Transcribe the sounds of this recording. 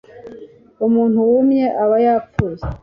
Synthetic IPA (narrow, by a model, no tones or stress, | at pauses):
umuːn̥huwumɲeʔaβajaːfuze